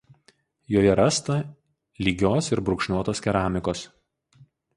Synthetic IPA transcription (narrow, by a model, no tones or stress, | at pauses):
joːjɛɾɐst̪ɐ | lʲiːɡʲoːsɪɾbɾʊkʃʲnʲuɔt̪oːskʲɛɾɑːmʲɪkoːs